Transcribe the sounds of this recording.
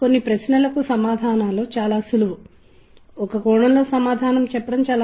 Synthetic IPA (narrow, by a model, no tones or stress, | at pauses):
ko̞nːipɾɐsnɐlɐkusɐmaːd̪ʱaːnaːlo̞ːt͡ʃaːlaːsuluʋu | ɔkɐkɔːɳɐmlo̞ːsɐmaːd̪ʱaːnɐmt͡ʃɛpːɐɽɐmt͡ʃaːla